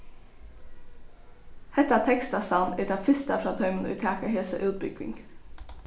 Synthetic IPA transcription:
hɛt̪əæːt̪ʰɛkst̪ɑsɑnɛːd̪ɑːfʏst̪əfɾɑːt̪ʰœʏmn̩ḭːt̪ʰɑːkəheːsə̰ʔʉːt̪̚bʏɡ̥ɪ̰ŋ

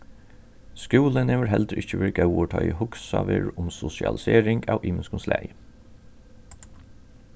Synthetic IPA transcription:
skuːlənɛːʋəɹɦɛld̪ɾɪçəʋeːɹɡaʊɔʈʰɑːihʊksɑʋeːɹʊmsʊsɪɑ̰lɪseːɹɪŋɡɑːʋʔiːmɪnskʊnslæ̰j

